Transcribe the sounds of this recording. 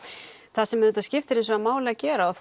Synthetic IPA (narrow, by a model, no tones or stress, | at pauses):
θasɛmɾʏːt̪ascɪft̪ɪɾensvɔamaːwlɪacɛːɾaɔθ